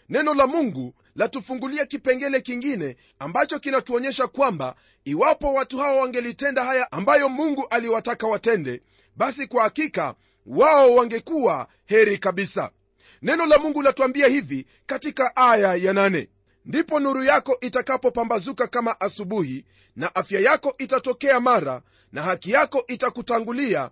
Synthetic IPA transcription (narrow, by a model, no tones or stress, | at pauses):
nɛnɔlamuŋɡu | latufuŋɡuliakipɛŋɡɛlɛkiŋɡinɛ | ambat͡ʃɔkinatuɔɲɛʃakwamba̰ | iwapɔwatuhawɔwaŋɡɛlitɛndahajaambajɔmuŋɡuʔaliwatakawatɛndɛ | ɓasikwahakika̰ | waɔwaŋɡɛkuwa | hɛɾikaɓisa̰ | nɛnɔlamuŋɡulatuambiahivi | katikaʔajajananɛ̰ | ndipɔnuɾujakɔʔitakapɔpambazukakamaʔasuɓuhi | naʔafjajakɔʔitatɔkɛamaɾa̰ | nahakijakɔʔitakutaŋɡulia̰